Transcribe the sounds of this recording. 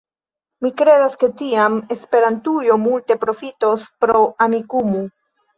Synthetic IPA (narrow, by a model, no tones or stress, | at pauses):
mikɾe̞daske̞tiame̞spe̞ɾantujo̞multe̞pɾo̞fito̞spɾo̞amikumu